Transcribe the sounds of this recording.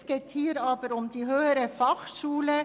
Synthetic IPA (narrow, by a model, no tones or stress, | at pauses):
sket̪hiːɾɑːbəɾʊmd̪iːɦøːəɾəfɑxʃuːlə